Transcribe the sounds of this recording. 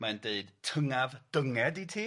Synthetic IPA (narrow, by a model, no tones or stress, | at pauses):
mandeɨdtʰəŋavd̥əŋɛditʰiː